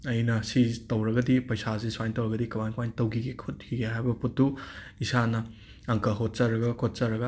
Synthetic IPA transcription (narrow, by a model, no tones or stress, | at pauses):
ɐjnɐsitɐwɾɐɡɐdipɐjsazeswajntɐwɾɐɡɐdikɐwajnkɐwajntɐwkʰiɡekʰot̚kʰiɡeɦajbɐputːu | isanɐ | ɐŋkɐɦot̚t͡ʃɐɾɐɡɐkʰot̚t͡ʃɐɾɐɡɐ